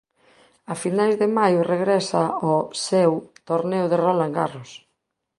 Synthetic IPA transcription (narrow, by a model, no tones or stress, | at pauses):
afinajzðemajʊreɣɾɛsaɔsewt̪oɾnewðerolaŋɡa̰ros